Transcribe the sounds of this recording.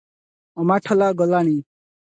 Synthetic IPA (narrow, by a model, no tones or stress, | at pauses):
ɔmaʈʰɔlaɡɔlañiː